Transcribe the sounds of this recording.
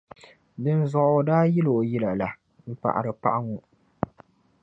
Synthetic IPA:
dɨ˦nzɔ˨ʔdaː˦ji˦lo˨jɛ˦la˨la˨ | m̩˦pa̰˨ʔa̰˨ɾɨ˨pa̰˦ʔa˦ŋu˨

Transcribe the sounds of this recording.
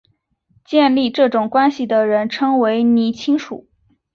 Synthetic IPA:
t͡ɕjɛ˥˧nli˥˧ʈ͡ʂɤ˥˩ʈ͡ʂʊ˨˩ŋkwa˥nɕi˨˩d̪ə˩ɻə˧˥nʈ͡ʂʰɤ˥ŋwe˧˥ɪni˧˥t͡ɕʰi˥ŋʂṵ˨˩˦

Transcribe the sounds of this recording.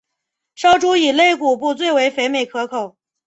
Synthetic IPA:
ʂɑ˥ʊʈ͡ʂu˥i˨˩le˥˧ɪku˨˩p̬u˥˧t͡swe˥˩ɪwe˧˥ɪfe˧˥ɪme˨˩ɪkʰɤ˧˥kʰo˨˩˦ʊ

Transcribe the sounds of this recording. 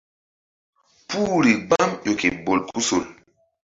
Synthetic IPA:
puː˦ɾi˨ɡ͡ba˦mjo˨ki˨bo˨lkʰu˦so˨l

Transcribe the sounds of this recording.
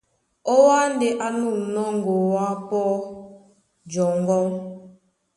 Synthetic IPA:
ɔ˦wa˦n˦dɪ˨ʔa˦nu˦˨m̩˨nɔ˦ŋ˦ɡo˨wa˦pɔ˦ | d͡ʒɔ˨ŋ˦ɡɔ˦ŋ

